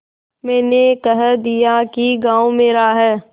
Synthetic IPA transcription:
mɛ̃ːnekəɦəd̪ijakiɡãːwmeːɾaɦɛː

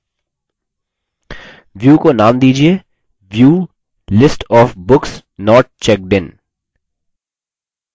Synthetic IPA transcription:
ʋjuːkonaːmd̪iːd͡ʒieː | ʋjuː | lɪsʈɔːfbʊksnɔːɾʈ̚t͡ʃɛk̚ɖɪ̃n

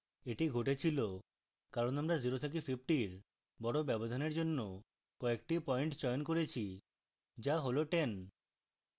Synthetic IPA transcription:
eʈiɡʱoʈet͡ɕʰilo | kaɾonamɾaziɾot̪ʰek̬epʰipʰʈiɾ | bɔɽobɛbod̪ʱaneɾd͡ʑonːo | kɔek̚ʈipɔeɳʈd͡ʑɔjonkoɾet͡ɕʰi | d͡ʑaɦoloʈen

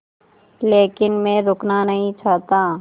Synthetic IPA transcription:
leːkɪnmɛ̃ɾʊknanəɦĩt͡ʃʰaːt̪aː

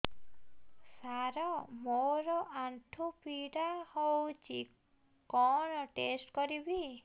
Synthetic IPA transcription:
saɾɔmoɾɔʔaɳʈʰupiɽahowt͡ʃʰi | kɔnɔʈesʈkɔɾibi

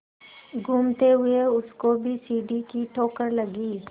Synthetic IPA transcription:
ɡʱuːmt̪eɦʊeʊskobʱisiːɖikiʈʰoːkəɾlɐɡiː

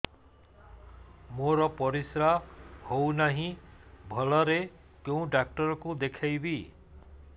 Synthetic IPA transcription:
moɾɔpɔɾisɾahownaɦĩbʱɔlɔɾe | kjew̃ɖak̚ʈɔɾɔkud̪ekʰajbi

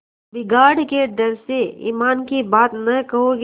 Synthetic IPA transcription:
bɪɡaːɽked̪ɐɾseḭːmaːnkibaːt̪nɐkɐɦoɡ

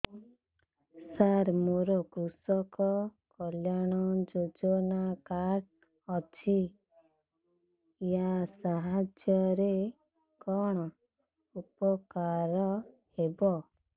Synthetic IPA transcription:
saɾmoɾɔkɾusɔkɔkɔljaɽ̃ɔd͡ʒod͡ʒɔnakaɾ | ɔt͡ʃʰi | jasaɦad͡ʒjɔɾe | kɔɽ̃ɔ | upɔkaɾɔ | hebɔ

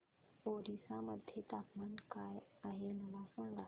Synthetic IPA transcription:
oːɾisãmɐd̪ʱjet̪aːpmankaːjaːɦenɐʋãfə̃ːɡaː

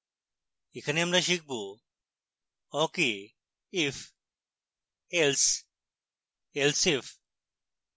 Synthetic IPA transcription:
ikʰɐnemnɐɕik̚bu | oki | if | els | elsif

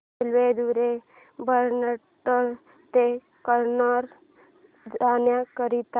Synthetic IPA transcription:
lʋed̪uɾe | bəɾnə | ʈəɾ | t̪e | kəɾnəɾ | danjakəɾit̪

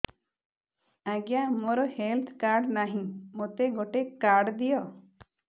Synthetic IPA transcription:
aɡjamoɾɔhelt̪ʰkaɾɖnaɦĩmot̪eɡoʈekːaɾɖd̪ijɔ

